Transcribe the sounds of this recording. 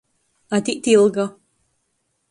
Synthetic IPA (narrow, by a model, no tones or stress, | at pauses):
at̪iʔt̪ilˠɡa